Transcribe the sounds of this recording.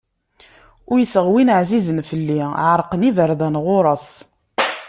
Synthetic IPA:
ʊɾjəsəʁwinəʕzizənfəlːiʕəɾˤqənivəɾðænʁʊɾˤɑs

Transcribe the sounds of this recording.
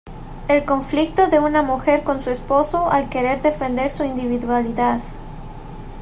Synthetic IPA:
e̞lko̞ɱflik̚t̪oðe̞unamuxe̞ɾko̞nsuespo̞soʔalke̞ɾe̞ɾðe̞fe̞nd̪e̞ɾsuind̪iβiðwaliðað

